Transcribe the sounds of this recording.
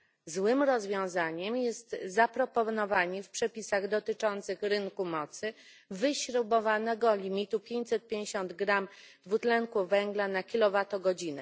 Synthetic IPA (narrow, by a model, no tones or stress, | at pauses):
zwɘmɾɔzvʲjɔ̃w̃zaɲɛmjɛst̪zapɾɔpɔnɔvaɲifpʂɛpʲisaɣd̪ɔt̪ɘt͡ʂɔnt̪sɘxɾɘŋkumɔt̪sɘ | vɘɕɾubɔvanɛɡɔlʲimʲit̪upʲjeɲt͡ɕʲsɛt̪̚pʲjẽɲd͡ʑeɕɔnd̪ɡɾamd̪vut̪lɛŋkuvɛŋɡlanakʲilɔvat̪ɔɡɔd͡ʑinɛ̰